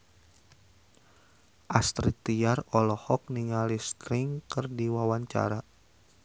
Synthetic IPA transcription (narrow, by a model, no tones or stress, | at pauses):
ʔast̪ɾit̪iarɔlɔhɔk̚niŋalist̪ɾɪŋkərdiwawaɲt͡ʃa̰ɾa